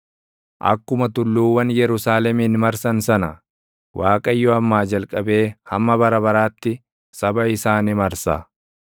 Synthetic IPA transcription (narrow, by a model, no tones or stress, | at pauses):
ʔɐ̰kːʊmɐt̪ʊlːuːwɐnjɛɾʊsaːlɛmiːnmɐɾsɐnsɐnɐ | wʔaːkʼɐjːɔɐmːaːd͡ʒɐlkʼɐbe̞ːhɐmːɐbɐɾɐbɐɾaːt̪ːɪ | sɐbɐɪsaːnɪmɐɾsa̰